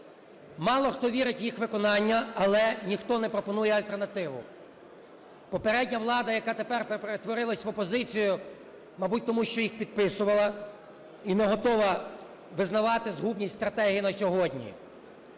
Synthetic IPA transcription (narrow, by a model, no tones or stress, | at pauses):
mɑlˠɔxt̪ɔʋʲiɾɪtʲjixʋɪkɔnɑnʲːɐɐlˠɛnʲixt̪ɔnɛpɾɔpɔnujɛɐlʲt̪ernɐt̪ɪʋʊ̰ | pɔpeɾɛdʲnʲɐʋlˠɑd̪ɐjɐkɑt̪epɛrpepɾet̪ʋɔɾɪlˠɐsʲʋɔpɔzɪt͡sʲijʊ | mɐbut̚ʲt̪ɔmuʃt͡ʃɔjixpʲid̪̚pɪsʊʋɐlˠɐ | inɛɦɔt̪ɔʋɐ | ʋɪznɐʋɑt̪ɪzɦubnʲijsʲt̪ɾɐt̪ɛɦijinɐsʲɔɦɔdʲnʲḭ